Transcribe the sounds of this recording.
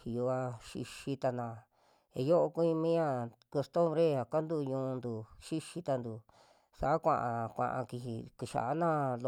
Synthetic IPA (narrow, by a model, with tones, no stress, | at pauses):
i˨jo˧a˧ʃḭ˧ʃi˧t̪a˧nã˧ | e˨˧jo˦ʔo˧ku˧˦ĩ˧mĩ˦ɲã˦˧ko˧st̪õ˦mbɾe˦a˨ka˦nd̪u˦˧ɲũː˧nd̪u˨ʃi˦ʃi˦t̪a˧nd̪u˨ | sa˨ʔa˦kʷã̰˧ʔã˧kʷã̰˧ʔã̰˧ki˧ɦi˨ki˧ʃa̰˨a˦nã˦˨lo˧